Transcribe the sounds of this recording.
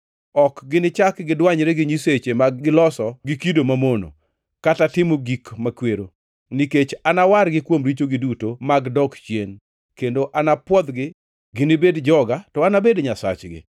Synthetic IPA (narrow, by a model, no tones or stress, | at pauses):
ɔkɡɪnɪt͡ʃakɡɪdwaɲɾeɡɪɲiset͡ʃemaɡɡɪlɔsɔɡɪkidomamono̰ | katatɪmoɡikmakweɾo | niket͡ʃanawaɾɡɪkwomɾit͡ʃoɡɪdutomaɡdɔkt͡ʃjen | kendoʔanapwɔd̪ɡɪ | ɡɪnɪbedd͡ʒɔɡatɔanabedɲasa̰t͡ʃɡɪ̰